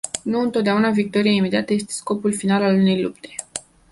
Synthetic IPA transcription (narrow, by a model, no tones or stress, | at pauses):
nuɨnt̪ot̪d̪aunavik̚t̪o̞ɾijaime̞d̪iat̪əje̞st̪e̞sko̞pulfinalalune̞jlupt̪e̞̥